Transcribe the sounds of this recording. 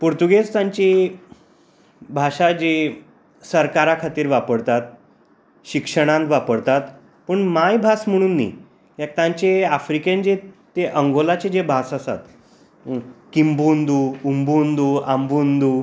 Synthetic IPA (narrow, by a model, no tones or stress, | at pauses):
puɾt̪uɡest̪aɲt͡ɕi | bʱaʂad͡ʑe | səɾkaɾakʰat̪iːɾʋapəɽt̪at̪̚ | ɕikʂəɽ̃ãnd̪ʋapəɽt̪at̪ | pəɳmajbʱasm̤əɽ̃uːnːḭ | ek̚t̪ãɲt͡ɕeafɾikẽɲd͡ʑet̪eʔəŋɡolat͡ɕed͡ʑebʱasasa̰t̪ | kimbund̪uumbund̪uambund̪u